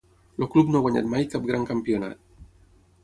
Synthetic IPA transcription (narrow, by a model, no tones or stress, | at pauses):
loklubnoɣwaɲa̰t̪majkap̚ɡɾaŋkampjona̰t̪